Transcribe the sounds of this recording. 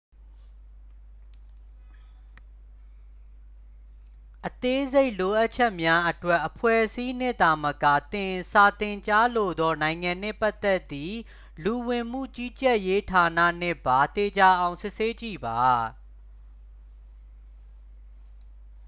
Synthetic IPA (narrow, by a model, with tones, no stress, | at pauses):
ʔət̪e˦ze˦ɪʔlo˨ʔa˦ʔ̚t͡ɕʰɛ˦ʔmja˦ʔətwɛ˦ʔəpʰwɛ˦˨ʔsi˦n̥ɪ̰̃˦˨d̪a˨məka̰˦˨t̪ɪ̃˨sa˨t̪ɪ̃˨ɲt͡ɕa˦lo˨d̪ɔ˦nã˨ɪ̃ŋã˨n̥ɪ̰̃˦˨pa˦ʔt̪ːɛ˦ʔt̪ːi˦ | lu˨wɪ̃˨m̥ṵ˦˨t͡ɕi˦t͡ɕɛ˦˨ʔje˦tʰa˨nä̰˦˨n̥ɪ̰̃˦˨ba˨t̪e˨d͡ʑa˨˦ʔã˨ʊ̃sɪ˦ʔse˦t͡ɕḭ˦˨ba˨